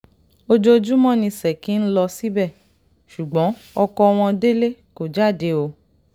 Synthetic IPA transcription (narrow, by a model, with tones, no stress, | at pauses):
o˧d͡ʒo˧d͡ʒu˦mɔ̃˦nĩ˧sɛ˨ki˨˦n̩˦lɔ˧si˦bɛ˦˨ | ʃu˨ɡ͡bɔ̃˨˦ | ɔ˧kɔ˧w̃ɔ̃˧de˦le˦ko˨d͡ʒa˦˨de˧o˧